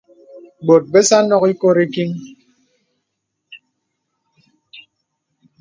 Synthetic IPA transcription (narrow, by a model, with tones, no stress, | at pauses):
ɡ͡bo˨t̚be˦sa˦nɔ˦ki˦ko˦ɾe˦ki˦ŋ